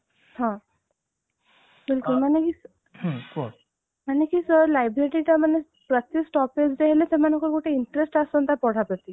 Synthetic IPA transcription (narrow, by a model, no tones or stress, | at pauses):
hã | bilkulmanekiːs | hko | manekiːsəɾlajbɾeʈiʈ̪amənːe | pɾət̪ːesʈɔped͡zd̪eɦelet͡semanəkəɾkoʈʰeiɳʈəɾesʈasont̪apɔɽ̤apɾət̪i